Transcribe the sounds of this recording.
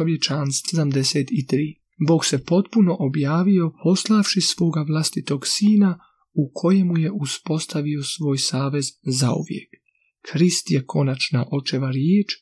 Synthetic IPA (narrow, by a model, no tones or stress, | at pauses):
oʋjet͡ʃanst̪ed̪amd̪eseːt̪it̪ɾiː | bo̞ːɡse̞po̞t̪puno̞ʔobjaːʋio̞pʰo̞slˠaʋʃisʋo̞ːɡaʋlˠast̪it̪o̞ɡsiːna | ukʰo̞jemuje̞ʔuspo̞st̪aʋio̞sʋo̞ːjsaːʋe̞zza̰ṵʋjḛkʰː | ɾist̪jekʰo̞nat͡ʃnaʔo̞t͡ʃeʋaɾjeːt͡ʃ